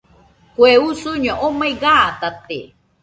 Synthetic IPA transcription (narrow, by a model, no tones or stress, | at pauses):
kʷeusuɲoʔomaiɡat̪at̪ḛ